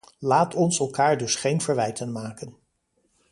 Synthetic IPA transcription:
laːtʰɔnsɛlˠkaːɹdɵsχejnv̥əɹʋɛjtənmaːkən

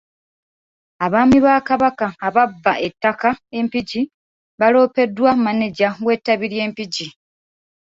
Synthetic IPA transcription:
aβaːmiβaːkaβakaːβabːaʔe̞tːakae̞mpiɟi | βalo̞ːpe̞dwamaneɟaɡwe̞tːaβiɾje̞ːmpiɟi

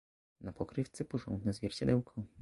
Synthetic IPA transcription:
napɔkɾɘft̪sɘpɔʐɔ̰nɡ̪nɛzvʲjɛɾt͡ɕad̪ɛwkʰɔ̃

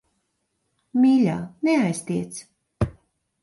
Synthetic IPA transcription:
mʲiːlʲaːneajst̪iɛt̪s

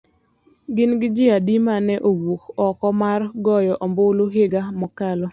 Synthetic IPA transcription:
ɡɪnɡɪd͡ʒɪadimanɛʔowokɔkɔmarɡɔjɔʔɔmboloɦeɡamɔkalɔ

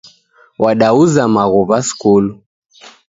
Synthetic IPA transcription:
wʔaɗauzamaɣuβaskulu

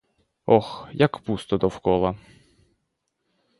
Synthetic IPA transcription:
ɔxjakpust̪ɔd̪ɔwkɔlˠɐ

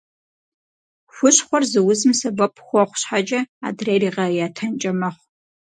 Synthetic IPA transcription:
xʷʊɕχʷɔrzɨwʊzɨmsɐbɐpʰʼxʷɔχʷɕħad͡ʒʼɐa̰ːdreːriːʁɐjaːtʰɐnt͡ʃʼɐmɐχʷ

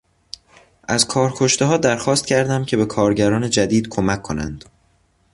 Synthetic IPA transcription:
ʔæzkʰɒːɾkʰo̞ʃt̪eɦɒːd̪æɾxɒːst̪̚cʰæɾd̪æmcʰe̞be̞kʰɒːɾɟæɾɒːne̞d͡ʒæd̪iːd̪̥kʰomækʰːonæ̰nd̪̥

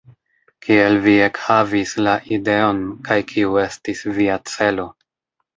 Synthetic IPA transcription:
kʰielvie̞khavislaʔide̞o̞nkʰajkʰiue̞stisviat͡se̞lo̞

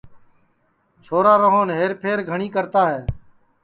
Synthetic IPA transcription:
t͡ʃʰoːɾaːɾəɦoːnɦeːɾpʰeːɾɡʱəɳiːkəɾt̪aːɦeː

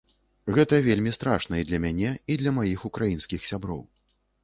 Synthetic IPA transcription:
ɣɛt̪ɐvʲelʲmʲist̪ɾaʂnɐid̪lʲɐmʲanʲɛid̪lʲɐmajixukɾajinskʲixsʲabɾɔ̰w

